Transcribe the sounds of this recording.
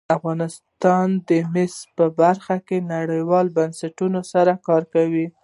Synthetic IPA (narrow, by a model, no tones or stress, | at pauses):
afɣɑnɪst̪ɑnd̪əmɪspəbaɾxakenaɽəjwɑlbansaʈunosaɾakɑɾkawi